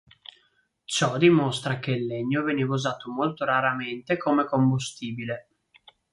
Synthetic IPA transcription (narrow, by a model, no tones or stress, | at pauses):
t͡ʃɔd̪imost̪ɾak̟elːeɲːovɛnevuzaːt̪omolt̪oɾaɾament̪ekʰomekombust̪iːbile